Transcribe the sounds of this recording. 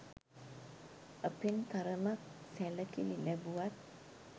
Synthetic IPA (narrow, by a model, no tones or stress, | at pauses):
əpenkaɾəmak̚sæləkililæbuʋat̪̚